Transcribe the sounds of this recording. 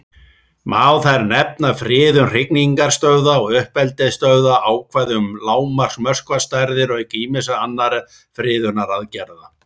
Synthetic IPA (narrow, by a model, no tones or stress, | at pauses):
maːwθajɾnɛp̚nafɾɪːðʏnr̥ɪkniŋkaɾ̥st̪œɥwðaɔɣʏhpɛlt̪ɛst̪œɥðaʔaːwkʰvaðʏmlaːwmar̥smœr̥skvast̪ajɾðɪɾɔɣciːmɪs̬aanːaɾ | fɾɪːðʏnaɾaðcɛɾða